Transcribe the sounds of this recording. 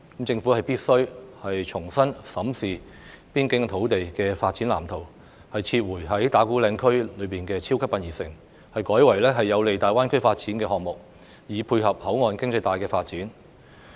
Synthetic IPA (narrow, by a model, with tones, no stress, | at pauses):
kmt͡sɪ˧ŋfu˨˥hɐ˨jpiː˥t̚sɵ˥ɥhɐ˨jt͡sʰʊ˨˩ŋsɐ˥nsɐ˨˥msiː˨ | piː˥nkɪ˨˥ŋt̪ʰo˨˥wt̪e˨jkɛː˧faː˧t̚t͡siː˨˥nla̰ː˨˩mt̪ʰo˨˩w | hɐ˨jt͡sʰiː˧t̚wuː˨˩jɦɐ˨˥jt̪aː˨˥kuː˨˥lɛː˧ŋkʰɵ˥ɥlɵ˨˧ɥpiː˨nkɛː˧t͡sʰiː˥wkʰɐ˥pːɐ˧njiː˨˩sɪ˨ŋ | hɐ˨jkɔː˨˥jwɐ˨˩jlɛː˥ɦɐ˨jːɐ˨˧wle˨jt̪aː˨jwaː˥nkʰɵ˥ɥfaː˧t̚t͡siː˨˥nkɛː˧ɦɔː˨ŋ̚mʊ˨k̚ | jiː˨˥pʰuː˧jɦɐ˨p̚hɐ˨˥wŋɔː˨nkɪ˥ŋt͡sɐ˧jt̪aː˨jkɛː˧faː˧t̚t͡siː˨˥n